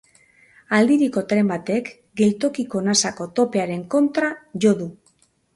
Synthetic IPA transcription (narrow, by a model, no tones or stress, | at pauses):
ald̪iɾiko̞t̪ɾe̞mbat̪e̞k | ɡe̞lt̪o̞kiko̞nasako̞t̪o̞pe̞aɾe̞ŋko̞nt̪ɾaʝo̞ðu